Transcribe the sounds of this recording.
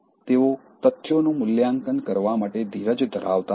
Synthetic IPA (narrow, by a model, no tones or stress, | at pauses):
t̪eo | t̪ət̪ʰːjonũmʊljaŋkənkəɾʋamaʈed̪ʱiɾəd͡ʒd̪ʱəɾa̰ʋt̪a